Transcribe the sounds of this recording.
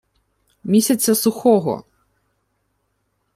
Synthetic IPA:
mʲisʲɐt̪sʲːɐsuxɔɣɔ̰

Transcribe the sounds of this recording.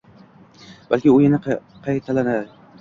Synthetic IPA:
b̥alkʲiʊjɪnɪqʰɑjt̪ʰalanad̪ɪ

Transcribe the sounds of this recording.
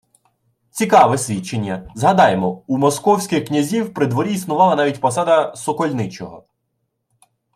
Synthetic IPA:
t͡sʲikɑʋɛsʲʋʲit͡ʃːe̞nʲːɐzɦɐd̪ɑjemɔumɔskɔwsʲkʲɪxknʲɐzʲiwpɾɪd̪ʋɔɾʲiisnʊʋɑlˠɐnɑʋʲitʲpɔsɑd̪ɐsɔkɔlʲnɪt͡ʃɔɦɔ̰

